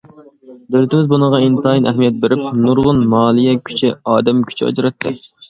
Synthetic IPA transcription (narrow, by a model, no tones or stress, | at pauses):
d̪ølɪt̪ʰɪmɪzbunəʁɑint̪ɑjinɛhmijɛt̪̚beɾɪp̚nuɾʁʊnmɑːlˠijɛkʲʰy̥t͡ʃʰɪɑːd̪ɛmkʲʰy̥t͡ʃʰɑ̰d͡ʒɾɑt̪ʰːɨ